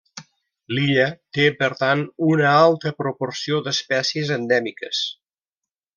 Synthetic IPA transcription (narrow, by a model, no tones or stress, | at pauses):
liʎət̪epəɾt̪anunəalˠt̪əpɾopoɾsiod̪əspɛsiəzənd̪ɛmikəs